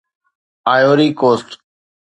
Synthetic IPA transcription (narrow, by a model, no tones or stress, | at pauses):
aːjoːɾiːkoːsʈ